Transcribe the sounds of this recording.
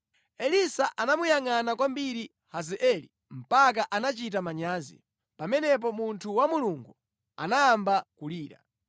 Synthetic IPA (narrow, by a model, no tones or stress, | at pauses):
ɛlisaʔanamujaŋanakwambiɾi | hazɛʔɛli | m̩pak̬aʔanat͡ʃit̬amaɲaːzḭ | pamɛnɛp̬ɔmuntʰuwamuluŋɡu | a̰najambakuliːɾa̰